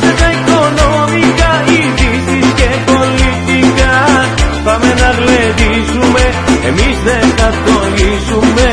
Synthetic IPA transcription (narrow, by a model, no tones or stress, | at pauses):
set̪aekonomikaiðisiskepolit̪ikafamenaɾleði | ʃume | ḛmisðet̪at̪oɡisume